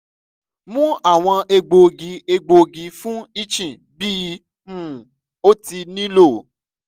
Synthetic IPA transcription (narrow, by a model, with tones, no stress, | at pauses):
mũ˦a˦˨w̃ɔ̃˧ʔe˧ɡ͡bo˨ɡi˨˦e˧ɡ͡bo˨ɡi˨˦fũ˦i˦t͡ʃĩ˨ | bi˦˧ | mũ˦˨ | o˦ti˧nĩ˦lo˦˨